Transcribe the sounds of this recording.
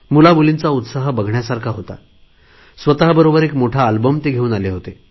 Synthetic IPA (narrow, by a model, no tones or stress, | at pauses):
mulabulint͡saut̪saɦəbəɡʱɳjasaɾkʰaɦot̪a̰ | sʋət̪aɦəbəɾobəɾekmoʈʰaːlbəmt̪eɡʱeuːnaleɦot̪e